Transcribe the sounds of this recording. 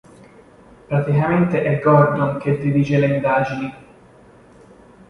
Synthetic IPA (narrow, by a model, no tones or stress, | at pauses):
pɾat̪ikament̪eʔɛɡɔrd̪onked̪ːid̪iːt͡ʃeleind̪aːd͡ʒini